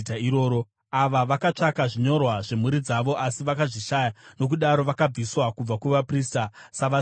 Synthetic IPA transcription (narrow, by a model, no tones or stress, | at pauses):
taiɾoːɾo | aʋaʋakat͡ʂakaʐiɲo̞rwaʐe̞muɾid͡zaʋo̞ʔasiʋakaʐiʃajano̞k̬uɗaɾo̞ʋakab͡viswakub͡vakuʋapristasaʋa